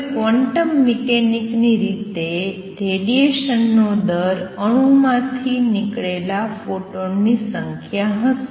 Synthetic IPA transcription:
kʋəɳʈəmːikenikniɾit̪e | ɾeɖieʃənːod̪əɾəɽ̃ũmãt̪ʰinikɭelafoʈonːisəŋkʰjaɦəs

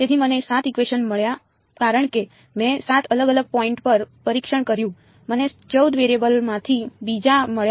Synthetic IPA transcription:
t̪et̪ʰimənesat̪ikʋeʃənməɭja | kaɾəɳ̃ke | mɛ̃sat̪ʰələɡələɡ̚pɔĩɳʈpəɾpəɾikʃəɳkəɾjũ | mənet͡ʃəwd̪ʋeɾiebəlmãt̪ʰibid͡ʒaməɭja

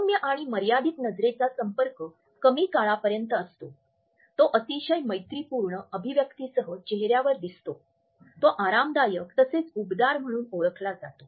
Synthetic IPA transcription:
sumjəʔaɽ̃iməɾjad̪it̪nəd͡zɾet͡sasəmpəɾkə | kəmiːkaɭapəɾjənt̪əːst̪o | t̪oʔət̪iɕəjməjt̪ɾipuɾɳəʔəbʱiʋjəkt̪isəɦət͡ɕeɦɾjaʋəɾd̪ist̪o | t̪oʔaɾamd̪ajəkt̪əset͡subd̪aɾm̤əɽ̃uːnoɭəkʰlad͡zat̪o

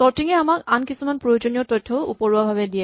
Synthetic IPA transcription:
sɔɹtiŋɛamakankisumanpɹojod͡ʒonijɔtɔjtʰːɔupɔɹuabʱaβɛdijɛ

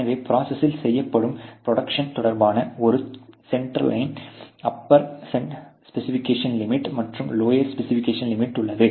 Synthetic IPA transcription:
ɐʋeːpɾaːsɐsɪlsɛjːɐpːɐɽɯmpɾɔɽɐkʂɐnt̪ɔɽɐɾbaːnɐɔɾɯsɛɳʈɾɐ̰lʔɐɪnɐpːɐɾsɛɳspɛsɪfɪkːeːʂɐnlɪmɪʈːmɐʈrɯmloːjɐɾspɛsɪfɪkːeːʂɐnlɪmɪʈːʊɭːɐðɯ

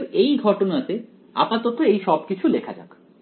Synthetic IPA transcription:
ɾejɡʱɔʈonat̪e | a̰pat̪ot̪oejʃɔb̚kit͡ɕʰulekʰa̰d͡ʑa̰k

